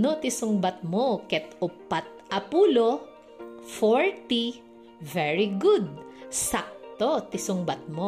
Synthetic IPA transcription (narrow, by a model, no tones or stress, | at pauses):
not̪ɪsʊŋbɐt̪̚mokɛt̪ʊpːat̪̚ʔɐpuːlo | foɹt̪i | vɛɹiɡud̪̚sak̚t̪ot̪ɪsʊŋbɐt̪̚mo